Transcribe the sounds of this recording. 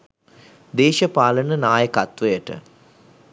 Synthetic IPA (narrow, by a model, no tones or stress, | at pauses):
d̪eːʃəpaːlənənaːjəkat̪ʋəjəʈə̰